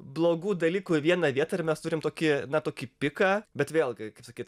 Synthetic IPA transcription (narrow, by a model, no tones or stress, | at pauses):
blˠoːɡuːd̪ɐlʲiːkuʋʲiɛnɐʋʲiɛt̪ɐɪrmʲɛst̪uːɾʲɪmt̪oːkʲɪnɐt̪oːkʲipʲɪkɑːbʲɛt̪ʋʲeːlˠɡʲɪkɐɪpsɐkʲiːt̪